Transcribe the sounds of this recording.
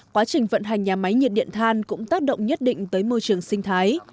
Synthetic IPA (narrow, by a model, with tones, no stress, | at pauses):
kwaː˨˦t͡ɕï˨˩ŋ̟və̰˧˨nɦa˨˩jŋ̟ɲaː˨˩ma˨˦jɲi˨˩t̚ɗḭ˧˨ənt̪ʰaː˧nkʊ̰˧˥ŋ͡mt̪aː˦˥k̚ɗə̰˧˨wŋ͡mɲə˦˥t̚ɗḭ̈˧˨ŋ̟t̪əː˨˦jmo˧jt͡ɕɨ˨˩əŋsï˧ŋ̟t̪ʰaː˨˦j